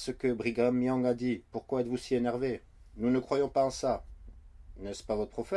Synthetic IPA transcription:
səkəbʁiɡɛ̃mijɑ̃ɡad̪ipuʁkwaɛt̪vusienɛʁve | nunəkχwajɔ̃paɑ̃sa | nɛspavɔt̪χəpχɔfɛ

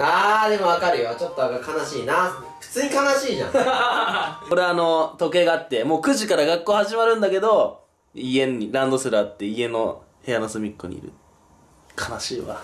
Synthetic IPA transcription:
aːd̪e̞mo̞βakaɾɯ̟jot͡ɕo̞t̪ːoβakaɯkʰanaɕiːna | ɸɯ̟̥t͡sɨːɲikanaɕiːʑã̰ | oɾeaːno̞t̪o̞ke̞ːɡaːt̪ːe̞mo̞ːkɯ̟ʑikaɾaɡakːo̞ːhaʑimaɾɯ̟̃nd̪ake̞d̪o̞ | iẽ̞ɲːiɾãnd̪o̞sɨɾɯat̪ːe̞ie̞no̞̰ | he̞janosɨmʲikːoɲ̟ḭḭɾɯ̟̰ | kʰanaɕiβa̰

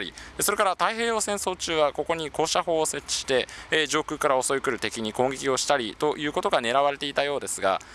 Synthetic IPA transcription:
ɾʲḭeso̞ɾe̞kaɾat̪aiɦe̞ːjo̞ːsẽ̞ɰ̃so̞ːt͡ɕɨːβako̞ko̞ɲ̟iko̞ːɕaho̞ːse̞t͡ɕːi̥ɕi̥t̪e̞ʑo̞ːkɯ̟ːkaɾao̞so̞ikɯ̟ɾɯ̟t̪e̞kʲiɲ̟ikõ̞ŋɡʲikʲio̞ɕi̥t̪aɾʲit̪o̞ʔjɯ̟ːko̞t̪o̞ɡane̞ɾaβaɾe̞t̪e̞it̪ajo̞ːd̪e̞sɨɡa̰

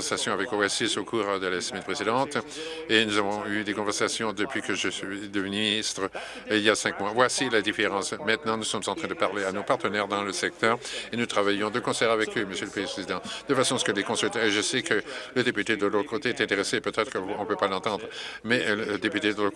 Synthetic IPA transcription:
ɛʁsasjɔ̃avɛkoɛsysokʰuːʁd̪əlasəmɛnpχezid̪ɑ̃t̪enuzavɔ̃yd̪ekɔ̃vɛʁsasjɔ̃d̪əpɥikəʒəsɥid̪əvninist̪χə | iljasɛ̃kmwavwasilad̪ifeʁɑ̃smɛ̃t̪nɑ̃nusɔmzɑ̃t̪χɛ̃d̪əpaʁleanopaʁt̪ənɛʁd̪ɑ̃ləsɛk̚t̪œʁenut̪χavajɔ̃d̪əkɔ̃sɛʁavɛkøməsjøləpχespχezid̪ɑ̃d̪əfasɔ̃asə̥kəlekɔ̃sylt̪ɛʁeʒəsɛkələd̪epyt̪ed̪əlot̪ʰəkot̪eɛt̪ɛ̃t̪eʁesepøt̪ɛt̪χəkɔ̃pøpalɑ̃t̪ɑ̃d̪ʁəmɛləəd̪epyt̪ed̪əlo

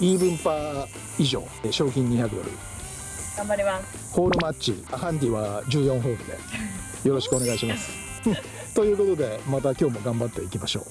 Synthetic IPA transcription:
iːbɯ̟̃mpa | iʑo̞̰ːɕo̞ːk̬ʲĩɲ̟ːiçakɯ̟d̪o̞̰ɾɯ̟̰ | ɡ̥ãmbaɾimas | ho̞ːɾɯ̟mat͡ɕt͡ɕḭahãnt̪̬ʲiβad͡ʑɨːjõɦo̞ːɾɯ̟̰d̪e̞̰ | jo̞ɾo̞ɕi̥kɯo̞ne̞ɡaiɕimasɨ̥ | t̪o̞jɯ̟ːko̞t̪o̞d̪e̞mat̪akʲo̞ːmo̞ɡãmbat̪ːe̞ikʲimaɕo̰ː

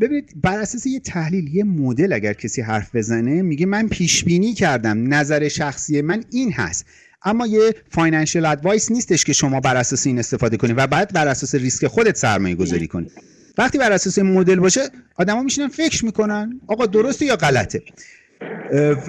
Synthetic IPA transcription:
be̞biːnid̪̥bæɾæsɒːse̞jet̪ʰæhliːljemod̪e̞læɟæɾcʰesiːɦæɾfbe̞zæne̞miːɟemænpʰiːʃbiːniːcʰæɾd̪æmnæzæɾe̞ʃæxsije̞mæniːnhæ̰st̪ | ʔæmːɒːjefɒːjnænʃielæd̪vɒjsniːst̪eʃkʲe̞ʃo̞mɒːbæɾæsɒːseiːne̞st̪e̞fɒːd̪e̞kʰo̞niːvæbɒjæd̪̚bæɾæsɒːseɾiskʲe̞xo̞d̪e̞t̪sæ̰ɾmɒːje̞ɡo̞zɒ̰ːɾḭːkʰo̞nḭd̪ | væxt̪iːbæɾæsɒːseinmo̞d̪e̞lbɒːʃeɒːd̪æmɒːmiʃinænfe̞cʰɾmiːkʰo̞nænɒːɣɒːd̪o̞ɾost̪ejɒːɣælæt̪ʰe̞

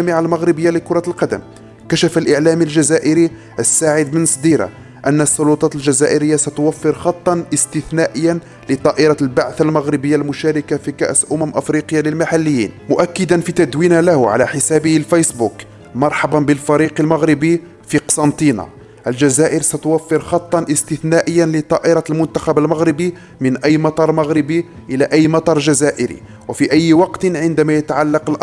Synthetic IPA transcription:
æmɪʕalmæɣɾɪbəjːaləkʊɾˤɑlqɑd̪ə̰m | kæʃæfəlʔəʕlæmilʒæzæʔəɾi | ʔəsːaʕəd̪mənsˤd̪iɾa̰ | ʔænːəsˤːʊlut̪ˤɑt̪əlʒæzæʔəɾəjːasæt̪ʊwæfːəɾxɑt̪ˤːɑnʔəst̪əθnæʔəjːæn | lət̪ˤɑʔɪɾˤɑlbaʕθalmaɣɾəbəjːalmʊʃæɾəkafikæ̰ʔsʔʊmæmʔəfɾiqəjːaləlmaħalːəjːḭːnmʊʔækːəd̪ænfit̪æd̪winalæhʕa̰læ̰ħəsæbəhəlfæjsbuk | mɑɾˤħɑbɑnbəlfɑɾiqəlmæɣɾɪbi | fiqɑ̥sˤɑnt̪ina̰ | ʔəlʒæzæʔəɾsæt̪ʊwæfːəɾxɑt̪ˤːɑnʔəst̪ɪθnæʔəjːanlət̪ˤɑʔɪɾˤɑlmʊnt̪axæbəlmaɣɾɪbi | mənʔæjːmɑt̪ˤɑɾˤmaɣɾɪbiʔəlæʔæjːmɑt̪ˤɑɾˤʒæzæʔəɾḭ | wæfiʔæjːwɑqt̪nʕənd̪æmæjət̪aʕalːɑqəlʔ

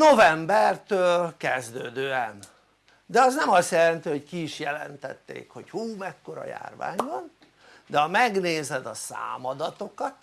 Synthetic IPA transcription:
novɛmbɛrt̪øːlkɛzd̪øːd̪øːɛn | d̪ɛɒznɛmɒst̪jɛlɛnt̪iho̞ckiːʃjɛlɛ̰nt̪ɛ̰t̪ːḛːkho̞chuːmɛkːo̞ɾɒ̰ja̰ːrva̰ːɲvɒn | d̪ɛɒmɛɡneːzɛd̪ɒsa̰ːmɒd̪ɒt̪o̞kɒt̪

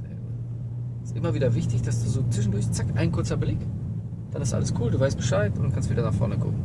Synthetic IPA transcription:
ɛ̰ | ɪ̥stʔɪmɐviːdɐvɪçtɪçd̥asd̥uːzoːt͡sv̥ɪʃ̬n̩dʊɐçt͡sakʔaɪnkʰʊɐt͡sɐblɪk | d̥anɪstʔa̰ləskʰuːlduːvaɪst̚b̥əʃaɪtʊntkʰanstviːdɐnaχfɔ̰ɐnəkʰʊ̰kŋ̩

